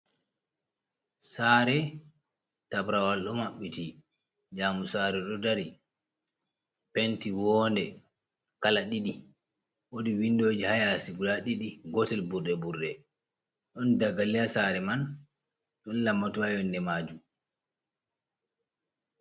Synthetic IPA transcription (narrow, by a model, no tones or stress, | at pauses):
saːɾɛ | tabɾawalɗɔmaɓːiti | d͡ʒamusaɾɛɗɔdaɾi | pentiwɔːndɛ | kalaɗiɗi | wodiwindoːd͡ʒihajasiɡulaɗiɗiɡɔtɛlbuɾɗɛbuɾɗɛ | ɗɔndaɡalijasaɾɛman | ɗɔnlamːatuajɔndɛmaːd͡ʒu